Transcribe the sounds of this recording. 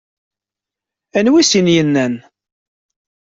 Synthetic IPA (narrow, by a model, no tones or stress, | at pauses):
ænwisinjənːæn